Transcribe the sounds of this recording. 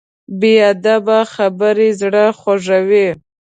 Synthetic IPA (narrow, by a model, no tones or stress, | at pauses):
bead̪abaxabəɾezɽəxaʐawe